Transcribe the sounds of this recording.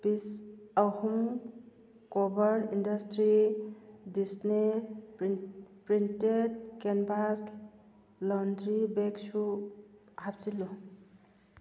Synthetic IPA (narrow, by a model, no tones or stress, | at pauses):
bisawhum | kɔbaɾindastɾi | disne | pɾinted̚kenbas | lɔndɾibeksu | hap̚silɔ